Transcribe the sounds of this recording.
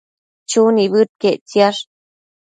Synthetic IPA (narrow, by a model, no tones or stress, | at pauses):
t͡ʃunibɨt̪̚ket͡sjaʂ